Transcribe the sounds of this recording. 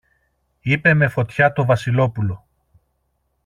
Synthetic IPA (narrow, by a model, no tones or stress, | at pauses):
ipe̞me̞fo̞t̪çɐt̪o̞vɐsilo̞pulo̞